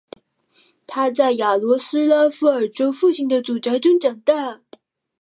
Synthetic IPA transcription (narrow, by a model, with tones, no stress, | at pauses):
t̪ʰa˥t͡sa˥˩ɪja˨˩lwɔ˧˥sɹ̩˥la˥fu˥˩ə˞˨˩ʈ͡ʂo˥ʊfu˥˩ɕi˥˩ŋd̪ə˨t͡su˨˩ʈ͡ʂɤ˧˥ʈ͡ʂʊ˥ŋʈ͡ʂɑ˨˩ŋt̪a˥˩